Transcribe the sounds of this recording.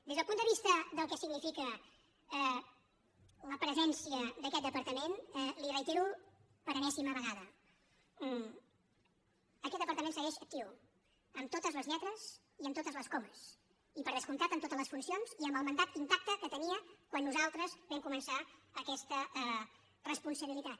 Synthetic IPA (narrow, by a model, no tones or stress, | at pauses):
d̪ezðəlˠpund̪əβist̪əðəlˠkɛsiɡnifikə | ɛ | ləpɾəzɛnsiəd̪əkɛt̪̚d̪əpəɾt̪əmenɛlirəjt̪eɾu | pəɾənɛsiməβəɣaðə | əkɛt̪d̪əpəɾt̪əmẽnsəɣɛʃək̚t̪iuw | əmt̪ot̪əzləzʎɛt̪ɾəz | iəmt̪ot̪əzləskoməs | ipəɾðəskunt̪at̪əmt̪ot̪ələsfunsionziəmbəlˠmənd̪at̪̚impak̚t̪əkət̪əniəkwanːuzalˠt̪ɾəzβɛmkumənsaəkɛst̪əɛ | rəspunsəβilit̪at̪